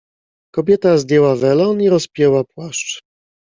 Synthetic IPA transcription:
kɔbʲjɛt̪azd̪ʲjɛwavɛlɔniɾɔspʲjɛwapwaʂt͡ʂ

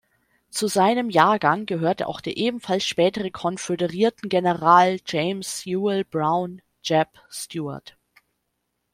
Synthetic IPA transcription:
t͡suzaɪnəmjaːɐɡaŋɡəɦøːɐtəʔa̰ʊxd̥eːɐʔeːbm̩falsʃpɛːtəʁəkʰɔnfedəʁiːɐtn̩ɡenəʁaːld͡ʒeɪmsjuːɪlbʁaʊn | d͡ʒɛp | stjuːɐ̰ɐt

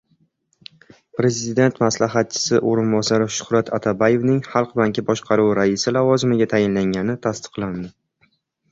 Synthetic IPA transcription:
pɾe̞zɪd̪e̞nt̪maslaɦat̪̚t͡ʃʰɪ̥sɪʔoɾɪnbɒsaɾɪʃʊ̥hɾat̪ʰat̪ʰabaje̞vnɪŋχɑlˠqbaŋkʲɪbɒʃqʰɑɾuwɾaɪsɪlavɒzɪmɪɡʲat̪ʰajɪnlaŋɡʲanɪt̪ʰast̪ɨ̥qlˠand̪ɪ

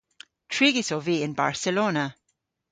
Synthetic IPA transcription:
tʰɹ̥iɡisoviːɪ̃nba̰ɹsəloːnə

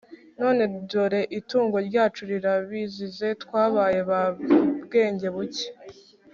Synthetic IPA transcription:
no̞ːne̞doɾe̞ʔituːŋɡo̞ɾɟaːt͡ʃuɾiɾaβizize̞tkwaːβaːje̞βabɡe̞ːɲɟe̞βuce̥

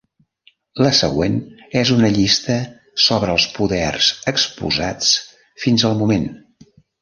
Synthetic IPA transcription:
ləsə̰ɣwenɛzunəʎist̪ə | soβɾəːlˠspuðɛrz̥əkspṵzat͡s | finzəlˠmumen

